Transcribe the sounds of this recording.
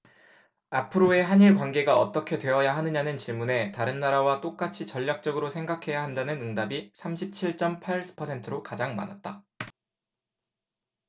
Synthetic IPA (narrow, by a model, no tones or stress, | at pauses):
apʰɯɾoe̞ɦaɲiɭk̬wanɡe̞ɡaʌt͈ʌkʰe̞dwe̞ʌjaɦanɯɲanɯnt͡ɕiɭmune̞taɾɯnːaɾawat͈ok͈at͡ɕʰit͡ɕʌʎːak̚t͡ɕ͈ʌɡɯɾosʰeŋɡakʰe̞jaɦandanɯnɯŋdabisʰamɕʰip̚t͡ɕʰiɭt͡ɕ͈ʌmpʰaɭsʰɯ̥pʰʌsʰe̞ntʰɯɾokad͡ʑaŋma̰nat̚t͈a